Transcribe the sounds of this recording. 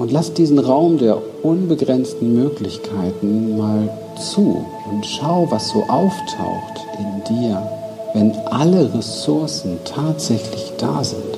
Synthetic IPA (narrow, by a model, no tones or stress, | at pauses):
ʔʊntlasd̥iːzn̩ʁaʊmdeːɐ | ʔʊnbəɡʁɛnstn̩møːklɪçkʰaɪtn̩maːl | t͡suː | ʊntʃaʊvasz̥o̰ːʔaʊftʰa̰ʊxtʔɪndiːɐvɛnʔaləʁesʊɐsn̩tʰaːtz̥ɛçlɪçd̥a̰ːzɪ̰nt